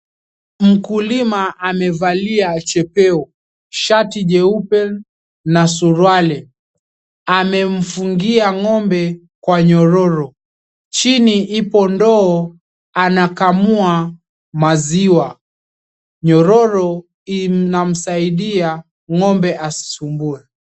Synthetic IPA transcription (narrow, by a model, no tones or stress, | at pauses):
m̩kulimaʔamɛvaliat͡ʃɛpɛɔ | ʃatiʄɛupɛn | nasuɾwalɛ | amɛm̩fuŋɡiaŋɔmbɛ | kwaɲɔɾɔɾɔ | t͡ʃiniʔipɔndɔɔ | anakamua | maziwa | ɲɔɾɔɾɔ | inam̩saiɗia | ŋɔmbɛʔasi̥sumbuɛ